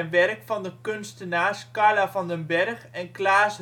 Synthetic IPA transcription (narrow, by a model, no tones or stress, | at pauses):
nʋɛrkfɑndəkønstənaːskaɹlafɔndənbɛrxɛnklaːs